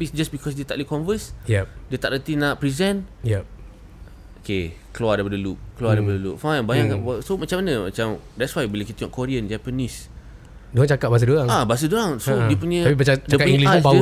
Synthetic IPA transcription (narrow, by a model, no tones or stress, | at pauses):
bisd͡ʒasbikʰɔs̬diət̪aʔlukɔnvəsjɛpdiət̪aʔɾət̪inaʔpɾizɛ̃njɛp̚ | okekəluadaipadəluk̚kluadajpadəluk̚fãjnbajãŋaasomat͡ʃãmanə̃ma̰t͡ʃãm | dɛtswajbiləkit̪əɔ̃nkɔɾiə̃nd͡ʒapənis | doɦaŋt͡ʃakat̚bas̬ədoaŋabas̬ədoaŋsoiəpuɲə̃apibəadaiəkaiŋɡlibau